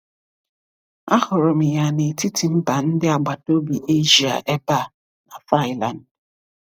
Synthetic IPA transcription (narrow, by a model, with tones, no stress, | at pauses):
a˦hʊ˨ɾʊ˨m̩˨ja˨ne˨ti˦tʰi˨m̩˦ba˨n̩˦dɪ˦a˨ɡ͡ba˨to˦bi˨ʔe˦ʒi˨a̰˨ʔɛ˦ba˦˨ | na˨fa˦ɪ˦la˨n˨d